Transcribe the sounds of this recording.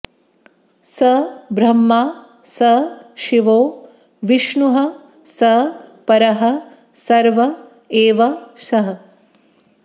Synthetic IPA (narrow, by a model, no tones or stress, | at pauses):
sɐbɾɐmːaː | sɐʃiʋoː | ʋiʂɳuɦɐ | sɐpɐɾɐɦɐ̆ | sɐɾʋɐ | eːʋɐsɐɦɐ̆